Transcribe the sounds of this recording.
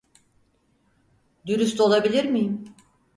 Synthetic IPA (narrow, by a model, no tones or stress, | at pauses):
d̪yɾyst̪o̞lˠabilʲiɾmijim